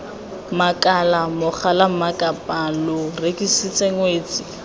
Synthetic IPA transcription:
makʼalamʊk͡xʰalam̩makʼapʼalʊrekʼisit͡sʼeŋweːt͡sʼɪ

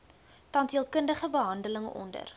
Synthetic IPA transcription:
tɐntɦiəlˠkəndəχəbəɦɐndələŋɔ̰ndə̰r

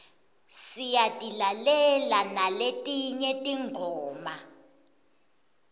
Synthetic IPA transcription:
sijatʼilalɛlanaletʼiɲɛtʼiŋʱɔːma

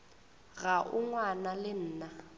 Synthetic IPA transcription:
ɣaʔuŋwanalɪn̩ːna

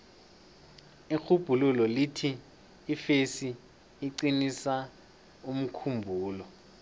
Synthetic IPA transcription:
ixub̥ʱululɔlitʰiː | fesiː | ǀinisa | um̩kʰumbʱuːlɔ

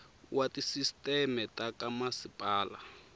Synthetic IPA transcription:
wʔatisistʼɛmɛtʼakamasipʼaːla

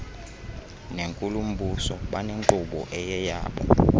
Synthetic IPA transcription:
neŋkʼulum̩ɓusɔɓaneŋǃuɓɔ̰ʔɛjɛja̰ːɓɔ̰

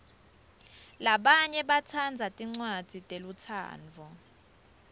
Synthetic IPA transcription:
laɓaɲɛɓatʰand͡zʱatʼiŋ͡ǀwad̥ʱitʼelutʰa̰ːnd͡vʱɔ

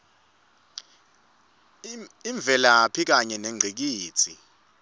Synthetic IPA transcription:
iɱb̪vʱɛlapʰik̬aɲɛneŋ͡ǀʱik̬iːt͡sʰi

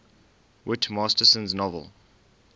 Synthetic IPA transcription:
wɪtmɑːstəsə̃nznɔvə̰lˠ

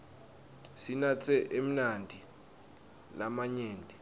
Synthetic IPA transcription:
sinat͡sʰʼɛʔem̩nandʱi | namaɲeːndʱi

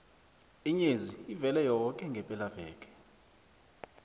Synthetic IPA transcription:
iɲeziivɛlɛjɔkʼɛŋɡʱɛpʼɛlavɛːkʼɛ̥

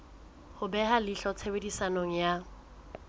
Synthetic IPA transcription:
hʊbɛɦalɪɬɔt͡sʰebedisanoŋ̩ja

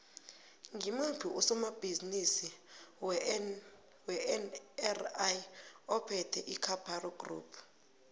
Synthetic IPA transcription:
ŋʱimupʰuʔusɔmab̥ʱizinisi | wɛnɛrajɔpʰɛtʰɛʔikʰapʰarɔɡrṵːpʰ

